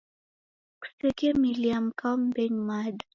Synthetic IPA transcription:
ku̥sɛkiamiliam̩kaɔm̩bɛɲmada

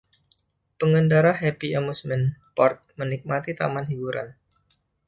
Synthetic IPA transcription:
pəŋəndaɾaɦɛpiamusmɛnpɔrt̪̚mənik̚mat̪it̪a̰manɦibuɾʔa̰n

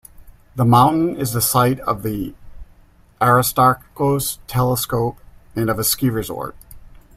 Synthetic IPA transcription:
ðəmãʊ̃nʔn̩ɪzðɨsaɪɾʌ̰vði | ʔæɹɨstɑɹkkoʊz̥tʰɛlˠəskoʊp̚ɨ̃nʌvɨskiɹɨzɔ̰ɹt̚

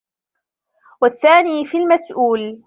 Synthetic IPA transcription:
waθːaːniːfilmasʔuːl

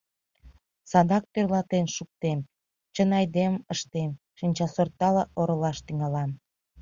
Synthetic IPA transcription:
sɑd̪ɑk̚pørlɑt̪enʃuk̚t̪em | t͡ɕənɑjd̪eməʃt̪em | ʃinʲt͡ɕɑsort̪ːɑlɑʔoɾəlɑʃt̪yŋɑlɑn

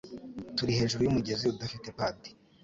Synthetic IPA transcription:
tuɾihe̞ːʒuɾujumuɟe̞ziudafitepaːdi̥

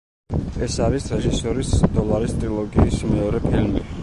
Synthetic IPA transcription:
ɛsaɾisɾɛʒisɔɾisd̪ɔlˠaɾist̪ʼɾilˠɔɡiːsmɛɔɾɛpʰilmi

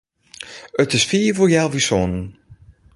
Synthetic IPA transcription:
ətɪsfiːvoːjɛlˠvisonən

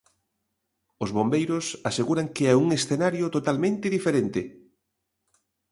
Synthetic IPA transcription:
ozβombejɾʊsaseɣuɾaŋkeɛuŋesθenaɾjot̪ot̪almẽnt̪ɪðifeɾent̪ɪ

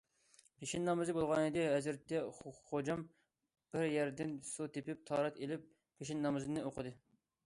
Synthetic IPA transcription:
pʰeʃinːɑmɨzɨbolˠʁɑnɨd̪ɨɦæzɾɪt̪ːɛχod͡ʒɑm | b̥ɪɾjɛɾd̪ɪnsut̪ʰepɪp̚t̪ʰɑːɾɑt̪elɪp̚ | pʰeʃinːɑmɨzɨnɨoqʰəd̪ɨ

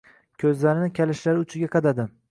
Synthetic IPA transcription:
kʲʰɵzlaɾɪnɪkʲʰalɪʃlaɾɪʊt͡ʃʰɪɡʲaqʰɑd̪ad̪ɪ

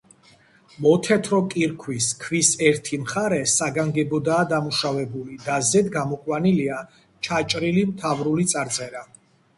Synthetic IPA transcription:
mɔt̪ʰɛt̪ʰɾɔkʼiɾkʰwiskʰvisɛɾt̪ʰimχaɾɛsaɡaŋɡɛbɔd̪aːd̪amuʃavɛbulid̪azɛd̪ɡamɔkʼwanilia | t͡ʃʰat͡ʃʼɾilimt̪ʰavɾulit̪sʼaɾt̪sʼɛɾa

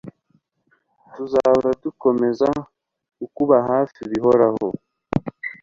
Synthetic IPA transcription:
tuzaβuɾatuko̞me̞za | kukuβaɦaːfiβiɦo̞ɾaho̰

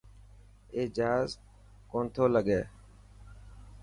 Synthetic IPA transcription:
eːd͡ʒaːz | koːnt̪ʰoːləɠeː

